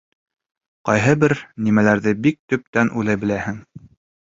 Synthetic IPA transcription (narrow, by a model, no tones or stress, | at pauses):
qɑjɦɤbɘɾnimælæɾðɘbik̚t̪ɵ̆p̚t̪ænʔʉlˠɘbɘ̆læhɘ̆ŋ